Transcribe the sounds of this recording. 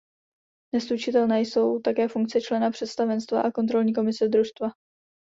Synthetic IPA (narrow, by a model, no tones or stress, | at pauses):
nɛslut͡ʃɪt̪ɛlnaːjso̞wt̪akɛːfuŋk̚t͡sɛt͡ʃlɛnapr̝̥ɛt̪st̪avɛnst̪va̰ʔako̞nt̪ɾo̞lɲiːk̬o̞mɪsɛd̪ɾust̪va